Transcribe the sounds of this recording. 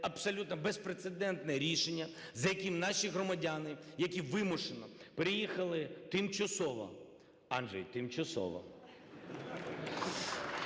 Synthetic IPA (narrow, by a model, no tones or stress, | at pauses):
ɐpsɔlʲut̪nɔbespɾet̪sed̪ɛnt̪nɛɾʲiʃenʲːɐ | zɐjɐkʲimnɑʃʲiɦɾɔmɐdʲanɪjɐkʲiʋɪmʊʃenɔpɾɪjixɐlˠɪt̪ɪmt͡ʃɐsɔʋɔ̰ | ɑnʒɛ̰jt̪ɪmt͡ʃɐsɔ̰ʋɔ̰